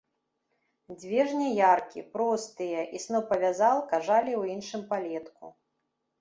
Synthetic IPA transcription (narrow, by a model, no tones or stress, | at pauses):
d͡zʲvʲɛʐnʲɛjarkʲḭpɾɔst̪ɨjɐʔisnɔpɐvʲazalˠkaʐalʲiwinʂɨmpalʲɛt̪kṵ